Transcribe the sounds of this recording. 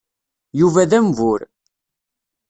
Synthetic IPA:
juvæðæmvʊɾ

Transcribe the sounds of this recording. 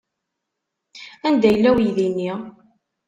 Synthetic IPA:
ænd̪æjlːæwjðinːi

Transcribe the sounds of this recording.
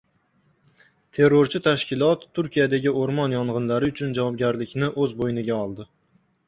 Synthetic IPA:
t̪ʰe̞ɾːoɾt͡ʃʰɪt̪ʰaʃkʲɪlˠɒt̪ʰːʊɾkʲijad̪aɡʲɪoɾmɒnjɒɴʁɨnlaɾɪʊt͡ʃʰʊnd͡ʒavɒb̚ɡʲaɾlɪkʲnɪʔɵzbojnɪɡʲaɒlˠd̪ɪ

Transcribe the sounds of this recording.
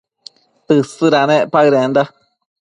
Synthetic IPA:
t̪ɨsɨɾanẽʔpaɯɾẽnd̪a

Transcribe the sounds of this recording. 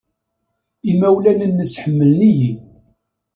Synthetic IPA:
imæwlænənːəsħəmːəlniji

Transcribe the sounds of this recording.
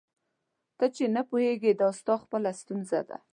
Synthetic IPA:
t̪ət͡ʃenapuheɡed̪ɑst̪ɑxpəlast̪unza̰d̪a̰

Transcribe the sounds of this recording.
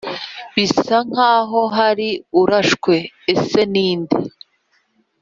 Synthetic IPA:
βisaŋ̥haːɦo̞ɦaɾiuɾaʃkwe̞ːse̞niːndḭ

